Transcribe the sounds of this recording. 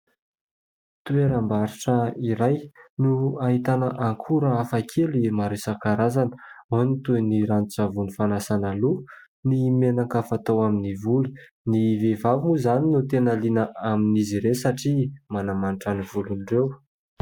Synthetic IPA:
t̪ueɾambaɾiʈ͡ʂəiɾajnuaɦit̪anəʔaŋkʰuɾəafakʰelimaɾesakaɾazanə̥anit̪uniɾant͡savunifanasanalu | nimenakafat̪awaminivulu | nivevavumuzaninut̪enalinəʔaminiziɾesaʈ͡ʂimanamanʈ͡ʂanivulunɖ͡ʐew

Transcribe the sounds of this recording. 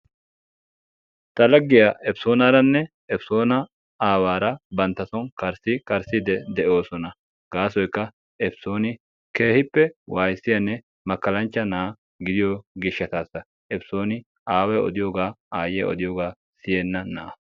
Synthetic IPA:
t̪ɐlɐɡːɪjaɛpso̞ːnɐɾɐnːɛ | ɛpso̞ːnɐ | aːwaːɾɐbɐnt̪ːɐsɔnkɐɾsɪkʼɐɾsɪd̪ɛd̪ɛʔo̞ːsɔnɐ | ɡaːsɔjkːɐ | ɛpso̞ːnɪ | ke̞ːhɪpːɛwaːjsːɪjɐnːɛ | mɐkːɐlɐnt͡ʃːɐnaː | ɡɪd̪ɪjɔɡɪʃːɐt̪aːsːɐ | ɛpso̞ːnɪ | aːwɛɔ̰d̪ɪjoːɡaːaːjɛɔ̰d̪ɪjoːɡaː | sɪjenːɐnɐʔɐ

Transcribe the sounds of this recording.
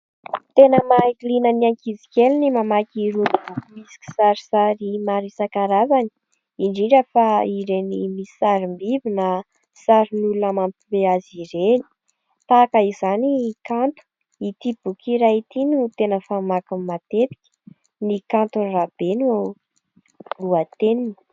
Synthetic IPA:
t̪enəmaikilinəniaŋkid͡zi̥kʲelinimamakiɾunibukumisi̥kʲi̥saɾisaɾimaɾisakaɾazani̥ | iɳɖ͡ʐiɳɖ͡ʐəfaiɾenimisaɾimbivinə | saɾinulunəmampimbeaziɾeni̥ | t̪akəizanikant̪u̥ | it̪ib̥ukʰiɾait̪inut̪enəfamakummat̪et̪i̥kʲə̥ | nikant̪urab̥enua | luat̪enini̥

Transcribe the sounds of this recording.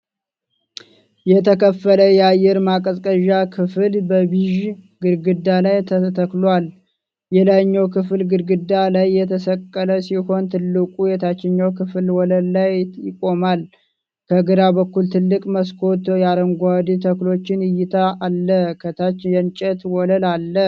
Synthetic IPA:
jɛt̪ʰəkʰəfːələjɛajːɛɾmakʼəsʼkʼəʒakʰɨfɨlbəβiʒɡɨɾɡɨd̪ːalajt̪ʰət̪ʰəklwal | jɛlajɲːawkʰɨflɡɨɾɡɨd̪ːalajːɛt̪ʰəsəkʼːələsiho̞nt̪ʰɨlːɨkʼujɛt̪ʰat͡ʃːɪɲːawkʰɨflwɔləllajjɪkʼo̞mal | kʰəɡɨɾabəkːult̪ʰɨlːɨkʼməskʰo̞t̪jaɾəŋɡʷad̪t̪ʰəklo̞t͡ʃːɪnɨjːɪt̪ʰaːlːəkʰət̪ʰat͡ʃːjɛnt͡ʃʼɛt̪wɔləlalːə

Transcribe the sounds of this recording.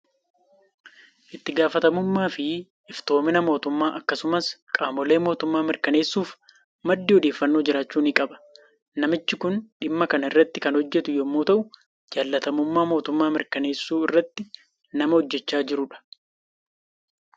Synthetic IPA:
ʔɪt̪ːɪɡaːfɐt̪ɐmʊmːaːfɪ | ɪft̪o̞ːmɪnɐmo̞ːt̪ʊmːaːʔɐkːɐsʊmɐskʼaːmɔle̞ːmo̞ːt̪ʊmːaːmɪɾkɐne̞ːsːuːf | mɐd̪ːiːhɔd̪e̞ːfːɐnːo̞ːd͡ʒɪɾaːt͡ʃːuːnɪkʼɐbɐ̥ | nɐmɪt͡ʃːɪkʊnᶑɪmːɐkɐnɪrːɐt̪ːɪkɐnhɔd͡ʒːɛt̪ʊjomːuːt̪ɐʔʊ | d͡ʒaːlːɐt̪ɐmʊmːaːmo̞ːt̪ʊmːaːmɪɾkɐneːsːuːɪrːɐt̪ːɪ | nɐmɐhɔd͡ʒːɛt͡ʃːaːd͡ʒɪɾʊᶑɐ̥

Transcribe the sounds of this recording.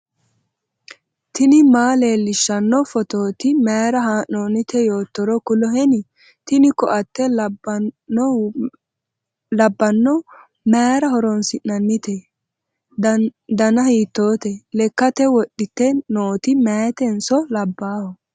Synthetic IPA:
t̪ɪnɪmaːleːlɪʃːɐnːɔfɔt̪oːt̪ɪmeːɾɐɦaːʔoːnɪt̪ʰɛjoːt̪ːɔɾɔkʊlɔɦɛnɪ | t̪ɪnɪkɔ̰ʔɐt̪ːɛ | ɔ | lɐbːɐnːɔ | meːɾɐhɔɾɔnsɪnːɐnːɪt̪ɛ | d̪ɐnɐhiːt̪ːo̞ːt̪ɛlɛkːɐt̪ɛwɔɗɪt̪ːɛnoːt̪ɪmeːt̪ɛnsɔlɐbːaːhɔ

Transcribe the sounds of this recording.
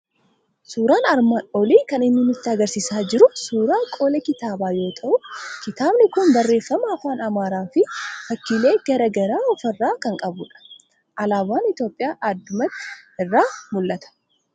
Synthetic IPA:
suːɾaːnɐɾmaːnɔliːkɐnɪnːɪnʊt̪ːɪɐɡɐɾsɪsaːd͡ʒɪɾʊsuːɾaːkʼo̞ːlɐkɪt̪aːbaːjo̞ːt̪ʰɐʔʊkɪt̪aːbnɪkʊnbɐrːe̞ːfːɐmɐɐfaːnɐmaːɾaːfɪfɐkːiːle̞ːɡɐɾɐɡɐɾaːɔfɐrːaːkɐŋkʼɐbʊᶑɐ̥ | ʔɐlaːbaːnɪt̪jo̞ːpʼɪjaːʔad̪ʊmɐt̪ːɪ̥ɪrːaːmʊlːɐt̪ɐ̥

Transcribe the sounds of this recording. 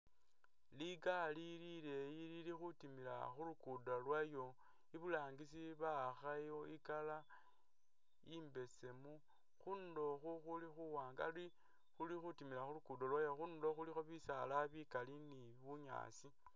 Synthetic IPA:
liɡalilile̞jililixutimila̰xulukudalwajo̞ | iβulaːŋɡis̬iβaxajoikala | imbe̞se̞mu | xundo̞xuxulixuwaːŋɡa̰li | xulixutimilaxulukudolwajo̞xundo̞xulixo̞βisalaβikalini | βuɲa̰ːsi

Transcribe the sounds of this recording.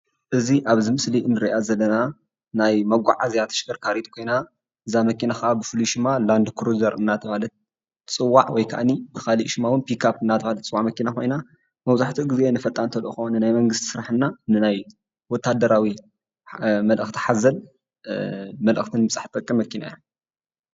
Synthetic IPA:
ʔɨziʔaβzɨmɨsliʔɨnːɨɾiʔazɐlːɐna | najmɐɡʷa̰ʕazijat̪ʰɐ̥ʃɡɐɾkʰaɾit̪ʼkʰo̞jna | ʔɨzamɐkinaxɐʔabɨfɨluʃɪmːaland̪kʰɾuzɐɾʔɨnat̪ʰɐβalɐt̪̚ | t͡sʼɨwːaʕwɔjkʰa̰ʔanibɨxaliʔʃɪmawʊnpikʰapɨnːat̪ʰɐβalɐt̪t͡sʼɨwːaʕmɐkinakʰo̞jna | mɐβzaħt̪ʰiɡɨzenɨfɐt̪ʼːant̪ʰɐloxɐunɨnajmɐŋɡɨst̪i̥sɨɾaħɨnːanɨnaj | wɔt̪ʰːad̪ɐɾawi | mɐlʔɨxt̪ʰi̥ħazɐl | mɐlʔɨ̰xt̪ʰɨnmɨsʼaħt̪ʼɐkʼːɨmːɐkʰina̰ja

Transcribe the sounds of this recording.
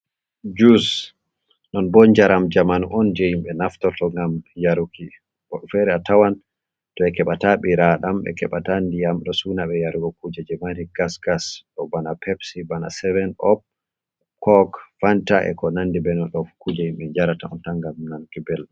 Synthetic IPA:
d͡ʒus | nɔnbɔɲd͡ʒaɾamd͡ʒamanʔɔnd͡ʒejimɓɛnaftɔtɔŋɡamjaɾukʰi | ɔɗɔfɛɾɛatawan | tɔɛkɛɓataɓiɾaɗamɓɛ̰kɛɓatandijamɗɔsunaɓɛjaɾuɡɔkud͡ʒɛd͡ʒɛmaniɡ̥asɡasɗɔbanapʰɛpsibana̰sɛvɛnɔp̚ | kɔkfantaʔɛ̰kɔnandibɛnɔɗɔfu̥kud͡ʒɛhimɓɛɲd͡ʒaɾataɔntaŋɡamnankibɛlɗɔ

